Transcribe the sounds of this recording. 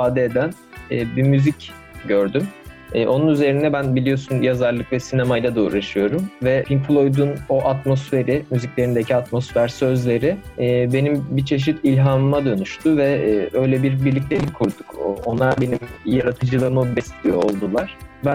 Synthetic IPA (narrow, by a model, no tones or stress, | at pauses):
ifaːd̪ɛed̪æn | ɛːbimyzic | ɟø̞ɾd̪ym | ɛːʔo̞nunyze̞ɾind̪ɛbænbilʲijo̞sunjazaɾlˠɯkvɛsinemajlad̪uṵɾaʃɯjo̞ɾumvɛimflˠo̞jd̪uno̞ʔat̪mo̞sfe̞ɾimyziclʲe̞ɾind̪e̞cʰiat̪mo̞sfæɾsø̞zlʲe̞ɾɪːbe̞nimbit͡ʃʰe̞ʃ̬it̪ʰilʲɦammad̪ø̞nyʃt̪ʰuvɛːø̞jlʲɛbiɾbiɾlʲic̬̚lʲejʲimkʰuɾd̪u̥kʰo̞nlˠaɾbe̞nimjaɾat̪ʰɯd͡ʒɯlˠɯmɯbɛslʲijo̞olˠd̪ulˠaɾ̥bæn